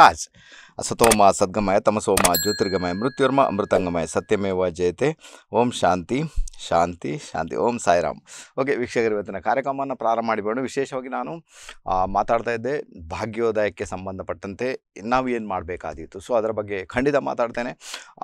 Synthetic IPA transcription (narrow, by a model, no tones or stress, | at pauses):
aːd͡ʒ | ɐ̰sɐt̪oːmaːsɐd̪̚ɡɐmaːjɐt̪ɐmɐsoːmaːd͡ʒoːt̪iɾɡɐmaːjɐmɾut̪jɐɾmɐʔɐ̰mɾut̪ɐŋɡɐmaːjɐsɐt̪jɐmeːʋaːd͡ʒɐjɐt̪eoːmʃaːnt̪iʃaːnt̪iʃa̰ːnt̪ḭoːmsaːjɾa̰ːmoːk̬e̞ʋikʂɐkɐɾiʋɐt̪ːinɐkaːɾjɐkɾɐmɐʋɐnːɐpɾaːɾɐmɐmaːɽibeːɳɖuʋiʃɛːʃɐʋaːɡinaːnu | maːt̪aːɽt̪aːjid̪ːe̞bʱaːɡjoːd̪aːjɐkːesɐmbɐnd̪ʱɐpɐʈːɐnt̪e̞naːʋueːnmaːɽbeːka̰ːd̪it̪ːusoːɐd̪ɐɾɐbɐɡːe̞kʰɐɳɖit̪ɐma̰ːt̪aːɽt̪eːne